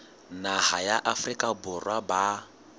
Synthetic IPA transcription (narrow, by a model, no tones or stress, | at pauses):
nahajaʔafrikʼabʊrwaba